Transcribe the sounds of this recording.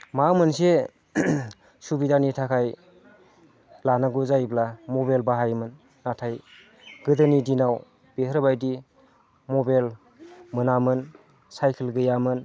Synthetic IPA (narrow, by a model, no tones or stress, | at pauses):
mamɯnse | subidanitʰakʰaj | lanaɡuzajblamɔbalbaɦajmɯnː | atʰaj | ɡɯdɯnidinaw | b̥ehɾbajdi | mɔbal | mɯnamɯn | sajkʰilɡɯjamɯn